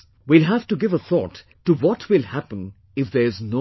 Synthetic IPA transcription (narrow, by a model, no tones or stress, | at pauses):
wilɦæftuɡɪvəθʰɔ̰tː | uwɔtʰwɪlˠhæpə̃n | ɪfðɛɹɪzno